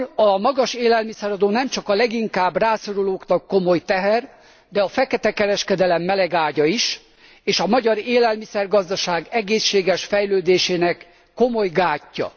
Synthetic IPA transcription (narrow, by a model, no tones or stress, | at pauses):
ɒmɒɡɒʃeːlɛlmisɛɾɒd̪oːnɛmt͡ʃɒkɒlɛɡiŋkaːbraːso̞ɾuloːknɒkːo̞mo̞jt̪ɛɦɛr | d̪ɛɒfɛkɛt̪ɛkɛɾɛʃkɛd̪ɛlɛmːɛlɛɡaːɟɒiʃ | eːʃɒmɒɟɒɾeːlɛlmisɛrɡɒzd̪ɒʃaːɡɛɡeːʃːeːɡɛʃfɛjløːd̪eːʃeːnɛkː | o̞mo̞jɡaːcːɒ̰